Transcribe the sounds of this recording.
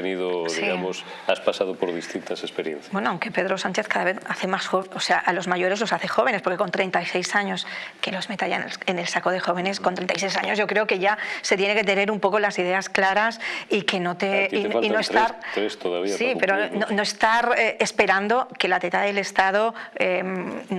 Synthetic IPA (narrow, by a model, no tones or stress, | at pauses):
eniðoðiiɣamosaspasaðopoɾðist̪int̪asespeɾjḛ̃nθjbwenoawŋke̞pe̞ð̞ɾo̞sãnt͡ʃe̞θkaðaβeθaθe̞masxoβoseaʔalo̞zmaʝo̞ɾe̞zlo̞saθe̞xo̞β̞e̞nespoɾkeko̞nt̪ɾe̞nt̪ajse̞jsaɲo̞skelozme̞t̪aʝan̰ene̞lsakoð̞e̞xo̞β̞e̞neskont̪ɾent̪ajs̬ejsaɲo̞zʝo̞kɾe̞oke̞ʝaset̪jene̞ke̞t̪̬e̞ne̞ɾumpo̞ko̞lasiðe̞asklaɾasike̞no̞t̪eiinoest̪at̪ɾest̪oðaβisipeɾonono̞est̪aɾeespe̞ɾand̪o̞ke̞lat̪et̪aðele̞st̪að̞oemn